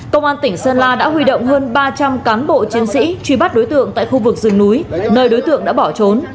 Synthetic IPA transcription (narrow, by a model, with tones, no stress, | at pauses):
kə˧wŋ͡mʔaː˧nt̪ï˧˩ŋ̟səː˧nlaː˧ɗa̰ː˧˥ɦwi˧ɗo̰˧˨wŋ͡mɦəː˧nɓaː˧t͡ɕa˧mkaː˨˦nɓo̰˧˨t͡ɕi˨˦ənsḭ˧˥t͡ɕwi˧˩ɓa˦˥t̚ɗo˨˦jt̪ɨ̰˧˨əŋt̪a̰ː˧˨xu˧vɨ˨˩k̚zɨ˨˩ŋnu˨˦jnəː˨˩jɗo˨˦jt̪ɨ̰˧˨əŋɗa̰ː˧˥ɓɔ˧˩t͡ɕo˨˦n